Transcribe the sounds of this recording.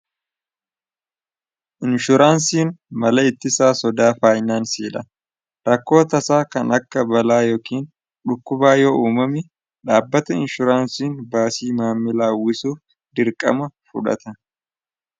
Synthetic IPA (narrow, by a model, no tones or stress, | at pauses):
ʔɪnʃʊɾaːnsiːnmɐlɐɪt̪ːɪsaːsɔd̪aːfaːjnaːnsiːlɐ | ɾɐkːo̞ːt̪ɐsaːkɐnɐkːɐbɐlaːjo̞ːkiːn | ᶑʊkːʊbaːjoːʔuːmɐmɪ | ᶑaːbːɐt̪ɐɪnʃʊɾaːnsiːnbaːsiːmaːmːɪlaːwːɪsuːf | d̪ɪɾkʼɐ̰mɐfʊ̰ᶑɐ̰t̪ɐ